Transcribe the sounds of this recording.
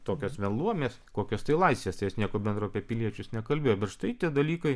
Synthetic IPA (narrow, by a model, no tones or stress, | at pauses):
t̪oːkʲoːsʋʲɛnlˠuɔmʲeːskoːkʲoːst̪ɐɪlˠɐɪsʲʋʲeːst̪ɐɪjɛsnʲiɛkoːbʲɛnd̪ɾɐʊɐpʲieɛpʲɪlʲiɛt͡ʃʲʊsnʲɛkɐlʲbʲeːjoːbʲɛt̪ʃt̪ɐɪt̪ʲiɛd̪ɐlʲiːkɐɪ